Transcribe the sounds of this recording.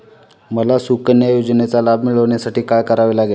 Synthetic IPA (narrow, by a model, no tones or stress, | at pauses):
məlasukənjəjod͡znet͡salab̚miːɭɦoɳjasaʈiːkaɭkəɾaʋelaɡel